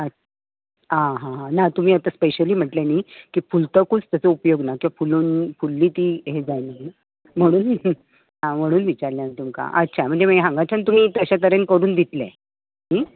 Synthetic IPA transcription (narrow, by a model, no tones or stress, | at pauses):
ət | ɦãɦãɦãnat̪um̤iːət̪aspeɕəliːm̤əʈlenikiːfult̪əkut͡st̪ət͡səupjoɡnakĩʋafuluːnfulːiːt̪iːɦed͡zajnani | m̤əɽ̃uːn | ãm̤əɽ̃uːnʋit͡ɕaɾljanit̪umka̰ʔətːɕʰam̤əɳd͡zeməɦãŋɡat͡ɕʰant̪um̤iːt̪əɕat̪əɾenkəɾuːnd̪it̪le | ɦi